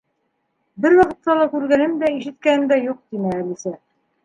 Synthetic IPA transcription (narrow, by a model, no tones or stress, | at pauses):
bɘɾwɑqɤ̆t̪ːɑlˠɑkʉɾɡænɘmd̪æiʃɘ̆t̪̚kænɘmd̪æjuq̚t̪inæːlisæ